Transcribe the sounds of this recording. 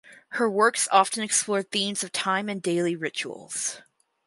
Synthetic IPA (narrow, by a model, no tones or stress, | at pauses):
hə˞wɜ˞ksɑftɨ̃nɨksplɔɹd̪̚θĩmz̥ʌv̥tʰãɪ̃mɨ̃ndeɪlˠiɹɪt͡ʃṵl̩ˠz̥